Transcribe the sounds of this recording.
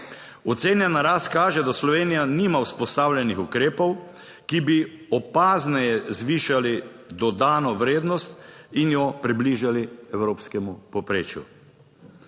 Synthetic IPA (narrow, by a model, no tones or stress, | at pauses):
ɔt̪seːnjanaɾaːst̪kaːʒɛd̪aslɔʋeːnijaniːmawspɔst̪aːwlʲɛnixukɾeːpɔw | kibi | ɔpaːznɛjɛzʋiːʃali | d̪ɔd̪aːnɔʋɾeːd̪nɔst̪injɔpɾibliːʒaliɛwɾoːpskɛmupɔpɾeːt͡ʃjṵ